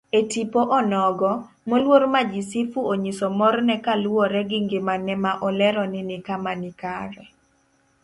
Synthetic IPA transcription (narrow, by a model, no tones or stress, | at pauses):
etipoʔɔnɔɡɔ | molwoɾmad͡ʒisifuoɲisɔmɔrnɛkalwɔɾɛɡɪŋɡɪmanɛmaʔɔlɛɾɔnɪnɪkamanɪkaɾɛ